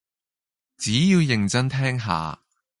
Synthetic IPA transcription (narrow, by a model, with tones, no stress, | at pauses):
t͡siː˨˥jiː˧wjɪ˨˩ŋt͡sɐ˥nt̪ʰɛː˥ŋɦa̰ː˨˧